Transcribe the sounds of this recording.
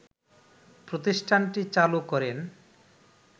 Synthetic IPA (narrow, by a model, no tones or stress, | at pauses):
pɾot̪isʈʰaɳʈit͡ɕalukɔɾen